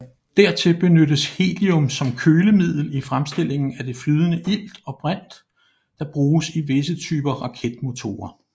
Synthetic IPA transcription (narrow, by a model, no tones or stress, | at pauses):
d̥æɐ̰t͡sʰe̝lb̥e̝nøɾəshe̝̰ːliɔ̽msɒ̽mkʰøːləmið̞̰ˠl̩ifʁamsd̥e̝lʔe̝ŋn̩æd̥e̝flyːð̞ˠənəʔil̰d̥ɒ̽b̥ʁan̰d̥ː | ɑ̈b̥ʁuːsiʋe̝sət͡sʰyːb̥ɐʁɑ̈kʰed̥̚mo̝t͡sʰo̝̰ːɐ